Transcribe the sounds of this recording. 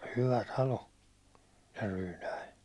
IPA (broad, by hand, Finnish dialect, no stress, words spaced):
hyʋæ tɑlo se ryːnæi